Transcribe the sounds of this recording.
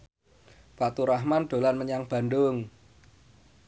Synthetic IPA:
fat̪uɾaɦmanɖ̪̥o̤lanməɲaŋb̥a̤ndʊŋ

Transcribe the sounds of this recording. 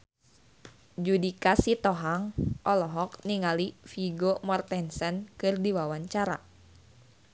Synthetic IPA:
d͡ʒudikasit̪ɔɦaŋʔɔlɔɦɔkniŋalifiɡomɔrt̪ɛnsɛnkɨrdiwawaɲt͡ʃaɾa̰

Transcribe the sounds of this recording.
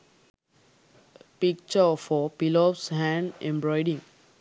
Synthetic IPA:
pik̚t͡ʃəfɔpilɔpshæ̃ɳɖẽmbɾɔɪɖĩŋ

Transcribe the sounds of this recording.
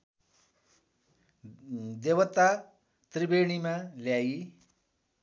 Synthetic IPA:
d̪ebʌt̪ːa | t̪ribeɽ̃imaljai

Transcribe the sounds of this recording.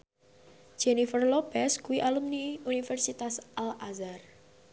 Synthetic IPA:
d͡ʒ̥enifərlopɛskuwiʔalumniunifɛrsit̪asʔalazar

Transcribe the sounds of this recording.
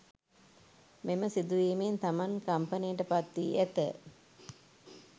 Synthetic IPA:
meməsid̪uʋiːment̪amankɐmpɐnijəʈəpat̪ːiːʔæt̪ə

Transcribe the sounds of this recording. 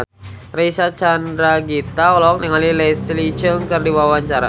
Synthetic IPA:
reisat͡ʃandɾaɡit̪aɔlɔk̚niŋalileslit͡ʃəŋkɨrdiwawaɲt͡ʃaɾa̰

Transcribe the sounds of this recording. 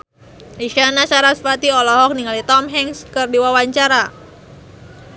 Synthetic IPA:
iʃanat͡ʃaɾasfat̪iɔlɔɦɔk̚niŋalit̪ɔmɦɛŋskɨrdiwawaɲt͡ʃaɾa

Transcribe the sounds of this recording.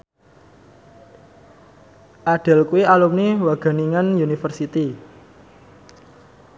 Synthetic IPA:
ʔaɖ̥a̤lkuwialumniwaɡ̥a̤niŋanjunifərsit̪i

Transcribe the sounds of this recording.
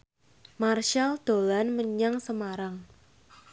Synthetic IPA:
marʃald̪̥o̤lanməɲaŋsəmaɾaŋ

